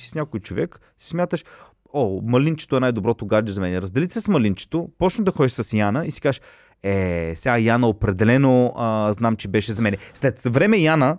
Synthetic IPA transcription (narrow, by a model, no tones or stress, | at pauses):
si̥sɲʲakojt͡ʃovɛ̰k | sismʲjat̪əʃ | ɔmɐlint͡ʃɛ̥t̪oɛnajd̪obɾɔt̪oɡaɾd͡ʒɛzɐmɛnɛɾəzd̪ɛlit̪sɛsmɐlint͡ʃɛ̥t̪opɔt͡ʃnəd̪ɐxɔd̪iʃsəsjanəisi̥kaʃ | ɛsʲajanəopɾɛd̪ɛlɛnoəznamt͡ʃɛbɛʃɛzɐmɛnɛslɛt̪vɾɛmɛjanə